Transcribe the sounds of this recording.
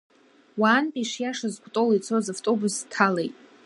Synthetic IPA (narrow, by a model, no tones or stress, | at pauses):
waːnpʼiʂjaʂazɡʷʼtʼolit͡sʰozavtʼo̞bustʰalejtʼ